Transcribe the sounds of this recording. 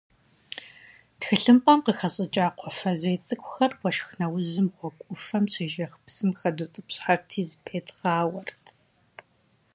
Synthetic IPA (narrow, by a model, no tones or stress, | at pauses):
txɨɬɨmpʼɐmqəxɐɕʼɪt͡ʃʼaːqʷʰɔfɐzeːt͡sʼɨkʷʼʊxɐrwʷɔʃxnɐwʊʑɨmχʷɔkʷʼʊfɐmɕʷʰeːʒɐxpsɨmxɐduːtʼɨpɕʼħartʰiːzɨpʰeːtʰʼʁaːwɐrtʰ